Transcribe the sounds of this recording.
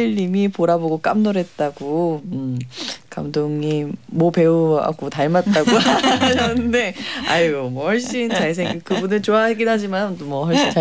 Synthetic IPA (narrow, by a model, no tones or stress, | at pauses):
iʎːimipoɾaboɡok͈amnoɾe̞t̚t͈aɡoɯmkamdoŋimwʌpe̞ua̰k͈otaɭmat̚t͈aɡoaʌnɯnde̞a̰iɡomwʌhʌɭɕ͈int͡ɕaɭs̬ʰeŋkɯbunɯɭt͡ɕoaɡinɦad͡ʑimanmwʌhʌɭɕ͈ina